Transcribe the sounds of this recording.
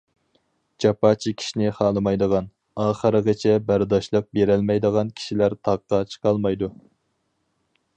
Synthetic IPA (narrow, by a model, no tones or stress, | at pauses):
d͡ʒɑpɑːt͡ʃʰikʲʰi̥ʃinɪχɑːlˠɨmɑjd̪əʁɑn | ɑːχəɾəʁət͡ʃʰɛbæɾd̪ɑʃlˠəq̚beɾælmɛjd̪əʁɑnkʲʰi̥ʃilæɾt̪ʰɑqːɑt͡ʃʰə̥qʰɑlˠmɑjd̪u